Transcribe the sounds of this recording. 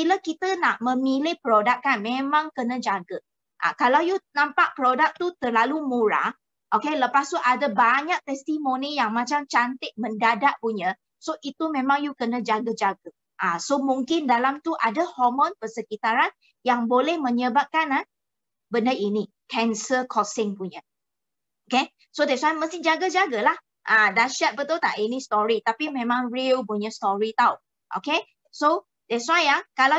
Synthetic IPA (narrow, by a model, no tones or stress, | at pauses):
biləkit̪ənaʔmə̃milɪhpɾodakːanmẽmãŋkənə̃d͡ʒaɡə | ʔa̰kalawjunãmpaʔpəɾodak̚t̪ut̪ərlalumuɾa̰ | ʔokeləpast̪uʔadəbaɲak̚t̪ɛst̪imonijaŋmat͡ʃamt͡ʃant̪ɪʔ̚məndadaʔ̚puɲə | soʔit̪umẽmãŋjukənəd͡ʒaɡəd͡ʒaɡə | ʔasomuŋkɪndalamt̪uʔadəhɔmɔ̃npəsəkit̪aɾan | jaŋbolɛhmə̃ɲəbap̚kana | bəndəʔini | kɛnsəkʰɔsɪŋpuɲə | oke | sodɛswajməst̪ɪŋd͡ʒaɡəd͡ʒaɡəlah | ʔãdaʃat̪̚bət̪ot̪a̰ʔinist̪ɔɾit̪apimẽmãŋrilp̬uɲəst̪ɔɹit̪aw | ʔo̰ke | so | dɛswajakala